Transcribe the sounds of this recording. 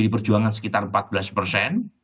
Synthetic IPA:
ɾipərd͡ʒuaŋansə̥kit̪armpat̪̚b̥laspərsɛn

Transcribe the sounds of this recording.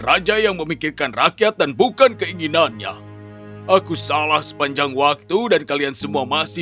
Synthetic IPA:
rad͡ʒajaŋməmikirkanrakjat̪̚danbukankəiɲinanɲa̰ | ʔakusalahsə̥paɲd͡ʒaŋwak̚t̪udankaliansəmuamasɪ

